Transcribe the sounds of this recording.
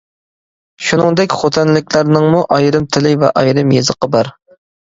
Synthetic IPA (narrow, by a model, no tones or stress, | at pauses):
ʃunɨŋd̪ɛkʲχot̪ʰɛnlɪkʲlæɾnɨŋmuʔɑjɾɨmt̪ʰɪlɪvɛ̰ʔɑjɾɨmjezəqəbɑɾ